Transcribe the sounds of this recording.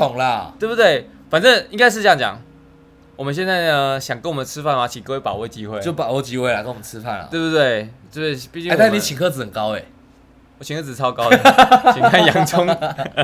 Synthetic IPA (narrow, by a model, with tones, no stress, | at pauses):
t̪ʰʊ˨˩˦ŋlɐ˦we˥˩ɪbu˧t̪we˥˩ɪ | fa˨˩nʈ͡ʂə˥˩ŋi˥ŋka˥ɪʂɻ̩˥˧˥jɑ˥˨t͡ɕjɑ̰˨˩˦ŋ | wɔ˨˩mə˨nɕ̬jɛ˥˧nt͡sa˥˩ɪə˧˩ɕjɑ˨˩ŋkə˥nwə˩nə˧t͡sʰɻ̩˦˥fa˥˩nwa˨˥˩t͡ɕʰi˨˩kə˥˧we˥˩pa˨˩ʊwe˥˩t͡ɕi˦˥xwe˥˨ɪ˨t͡ɕo˥˩ʊpa˨˩˦we˥˧t͡ɕi˦˥xwe˥˩ɪla˨˩kə˥˨wmə˩˨ɻ̩ɨ˦fa̰˥˩nə̰˨we˥˧ɪbu˧t̪we˥˩ɪe˥˧˩e˥˩pi˥˧t͡ɕĩ˥˨ŋa˥˩˨nĩ˨˧˨t͡ɕʰi˨ŋkʰɤ˥˧d͡z̩˨hə˨˩nkɑ˦ʊe˨˩ | wɔ˨˩t͡ɕʰi˨ŋkʰɤ˥˧˩t͡sɹ̩˨˩t͡sʰɑ˥ʊkɑ˥˦ʊt͡ɕi˨˩kʰa˥˩jɑ̰˨˦ŋt͡sʰʊ˦ŋ